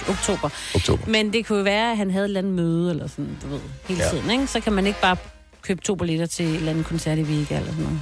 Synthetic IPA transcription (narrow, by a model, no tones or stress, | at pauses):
oɡ̥t͡sʰo̝̰ːb̥ɐ̥o̰mend̥e̝kʰujo̝ʋæːɐæɦænɦæðˠe̝d̥lænð̩møːð̞ˠəelɐsɒ̽n̩d̥uʋe̝ð̰ˠhe̝ːlt͡sʰið̰ˠn̩eɡ̥sɒ̽kʰæmæne̝ɡ̥̚b̥ɑ̈ː | kʰøːb̥̚t͡sʰo̝̰ːbʰoleɾ̥ɐt͡sʰe̝ed̥lænð̩ˠkʰɒ̽nsæɐ̰ɾ̥iʋiːɡ̥ælɐsɒnːo